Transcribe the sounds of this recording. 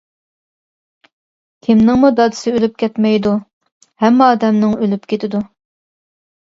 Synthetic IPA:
kʲʰɪmnɪŋmud̪ɑd̪ɨ̥sɪølyp̚kʲɛt̪mɛjd̪u | hɛmːɑːd̪ɛmnɪŋølypkʲʰet̪ʰɪd̪u

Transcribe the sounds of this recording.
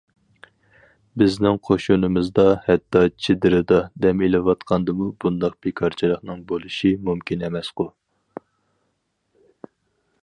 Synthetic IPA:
bɪznɪŋqʰoʃunɨmɨzd̪ɑhɛt̪ʰːɑt͡ʃʰid̪ɪɾɪd̪ɑd̪ɛmelɪwɑt̪qʰɑnd̪ɨmubund̪ɑq̚b̥ekʰɑɾt͡ʃʰilˠəqnɨŋbolˠɨʃimumkʲʰinɛmɛsqʊ

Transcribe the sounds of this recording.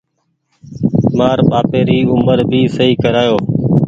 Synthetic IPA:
maːɾɓaːpeːɾiːʊməɾbʱiːsəiːkəɾaːjoː

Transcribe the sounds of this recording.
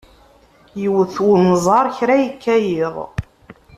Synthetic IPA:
jəwəθwənzˤɑɾˤçɾæjikʰːæjiðˤ

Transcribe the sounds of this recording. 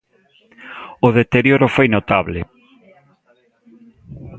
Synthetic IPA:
oðet̪eɾjoɾʊfojnot̪aβle

